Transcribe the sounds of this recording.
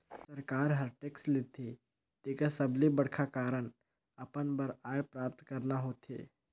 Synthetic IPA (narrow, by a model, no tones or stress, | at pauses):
səɾkaːɾɦəɾʈeːkslɪt̪ʰe | t̪ekasɐblibəɽkʰakaːɾəɳ | ɐpənbəɾaːjpɾaːp̚t̪kəɾnaɦoːt̪ḛː